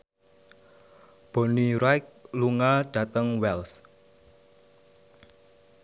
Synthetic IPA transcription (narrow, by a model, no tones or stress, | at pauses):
b̥o̤niɾajk̚luŋaɖ̥a̤t̪əŋwɛls